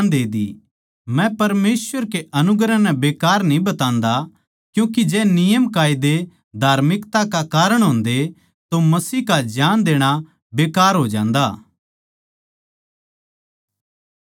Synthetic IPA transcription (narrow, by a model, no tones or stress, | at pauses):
nd̪eːd̪ḭ | mɛ̃pɐɾmeːsʋəɾkeʔɐnʊɡɾanɛ̃beːkaːɾnĩbɐt̪ãːnd̪a | kjũːk̬id͡ʒɛːnɪjəmkaːɪd̪e | d̪ʱaːɾmɪkt̪akakaːɾəɽ̃ɦõːnd̪e | t̪omɐsiːkad͡ʒaːnd̪eːɽ̃a | beːkaːɾɦoːd͡ʒã̰ːnd̪aː